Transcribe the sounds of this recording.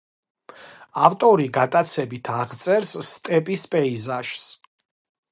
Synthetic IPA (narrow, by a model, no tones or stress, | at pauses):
aft̪ʼɔɾiɡat̪ʼat̪sʰɛbit̪ʰaʁt̪sʼɛɾsːt̪ʼɛpʼispʼɛizaʃs